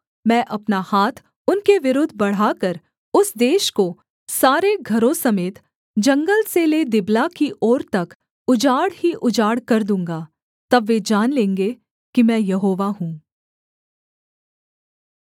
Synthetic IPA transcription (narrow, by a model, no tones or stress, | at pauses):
mɛ̃ːʔɐpnahaːt̪ʰ | ʊnkeʋɪɾʊːd̪ʱbɐɽ̤aːkɐɾ | ʊsd̪eːʃko | saːɾeɡʱɐɾõsɐmeːt̪ | d͡ʒɐ̃ŋɡəlseled̪ɪblakiʔɔːɾt̪ɐk | ʊd͡ʒaːɽhiʔʊd͡ʒaːɽkɐɾd̪ũːŋɡaː | t̪ɐbʋed͡ʒaːnlẽːŋɡe | kimɛ̃ːjɐɦoːʋaɦũː